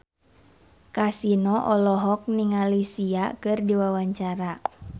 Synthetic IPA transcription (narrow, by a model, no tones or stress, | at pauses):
kasinɔʔɔlɔɦɔk̚niŋalisiakɨrdiwawaɲt͡ʃaɾa